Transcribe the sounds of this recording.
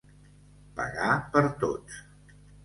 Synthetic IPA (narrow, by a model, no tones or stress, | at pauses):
pə̰ɣapəɾt̪o̰s